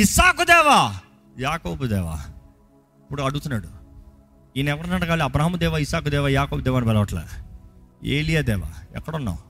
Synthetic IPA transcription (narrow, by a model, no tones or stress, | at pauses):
isaːkud̪ɛːʋaː | jaːkoːbud̪ɛːʋa̰ː | ipːuɽuɐɽuɡut̪unːaːɽu | iːnɛʋɐɾɐnɐʈɐɡaːliɐbɾaːɦɐmud̪ɛːʋaisaːk̬ud̪ɛːʋaːjaːkoːbd̪ɛːʋaːnipɛlɐʋɐʈla̰ | ḛːlijaːd̪ɛːʋa̰ːɛ̰kːɐɽunːa̰ːu